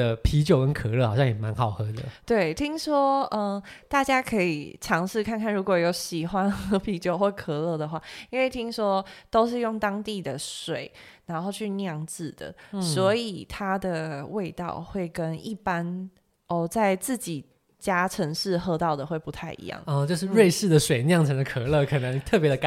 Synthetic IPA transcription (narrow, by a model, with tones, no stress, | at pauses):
ə˧pʰi˧˥t͡ɕjo˨˩ʊkə˦nkʰɤ˨˩lɤ˥˧xɑ˨ʊɕjɑ˥˨ŋjɛ˨˩ma˧˦nxɑ˨˩ʊxɤ˧˥d̪ə˨t̪we˥˩ɪt̪ʰi˦˥ŋswɔ˥ə˧˩t̪a˥˩t͡ɕja˥kʰɤ˧˥ḭ˨˩ʈ͡ʂʰɑ˧˥ŋʂɻ̩˥˧kʰa˥˧nkʰa˥˩nɻu˧˥kwɔ˨˩jo˨˧˥ʊɕi˨˩xwa˦nxɤ˧˥pʰi˧˥t͡ɕjo˨˩ʊxwɔ˥˩kʰɤ˨˩lɤ˥˩d̪ə˩xwa˥˩i˥nwe˥˩ɪt̪ʰi˥ŋʂwɔ˥t̪o˥ʊʂ̬ɻ̩˥˧jo˥˩ŋt̪ɑ˥ŋt̪i˥˩d̪ə˩ʂwe˨˩˦ɪna˧˥nxo˥˧ʊt͡ɕʰy˥˧njɑ˥˧ŋt͡sɹ̩˥˨˩d̪̥ə̰˩swɔ˧˥i˨˩t̪ʰa˥d̪ə˨we˥˧ɪt̪ɑ̰˥˧ʊxwe˥˩ɪkə˦ni˥˩pa˦n | ɔ˧˩t͡sa˥˧ɪt͡sɹ̩˥˩t͡ɕi˨˩ | t͡ɕja˥ʈ͡ʂʰə˧˥ŋʂɻ̩˥˧xɤ˥˧t̪ɑ˥˩ʊd̪ə˩xwe˥˩ɪpu˧˦t̪ʰa˥˩ɪḭ˧˥jɑ̰˥˩ŋɔ˧t͡ɕjo˥˧ʊʂ̬ɻ̩˥˧ɻwe˥˧ɪʂɻ̩˥˩d̪ə˩ʂwe˨ɪnjɑ˥˩ŋʈ͡ʂʰə˧˥ŋd̪ə˧kʰɤ˨˩lɤ˥˩kʰə˨˩nə˧˥ŋn˨t̪ʰɤ˥˩pjɛ˧˥d̪ə˧˥